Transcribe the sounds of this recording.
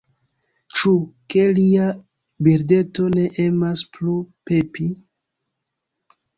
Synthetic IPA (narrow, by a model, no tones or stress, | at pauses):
t͡ʃuke̞lia | biɾde̞to̞ne̞ʔemasplupe̞pi